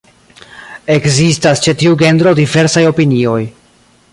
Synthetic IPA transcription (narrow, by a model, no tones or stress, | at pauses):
e̞kzistast͡ʃe̞tiuɡe̞nd̪ɾo̞dive̞ɾsajo̞pinio̞j